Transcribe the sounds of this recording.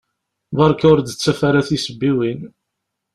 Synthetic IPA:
ðɑɾˤkʊɾd̪ət͡sːæfæɾæθisəbːiwin

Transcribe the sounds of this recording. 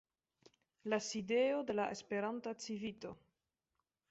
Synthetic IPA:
lasideode̞laʔespe̞ɾantat͡sivito

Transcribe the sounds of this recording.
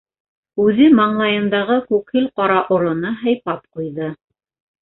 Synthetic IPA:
ʉðɘmɑɴlˠɑjɤ̆nd̪ɑʁɤkʉkhɘlqɑɾɑʔŏɾŏnɤɦæ̆jpɑp̚qujðɤ

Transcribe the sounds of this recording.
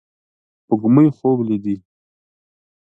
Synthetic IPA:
pəɡməjxoblid̪i

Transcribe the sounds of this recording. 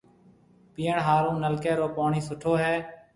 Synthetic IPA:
piːəɳɦaːɾũːnəlkeːɾoːpoːɳiːsʊʈʰoːɦɛː

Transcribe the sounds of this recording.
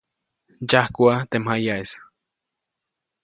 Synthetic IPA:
d͡ʒahkʷuat̪emhajaes

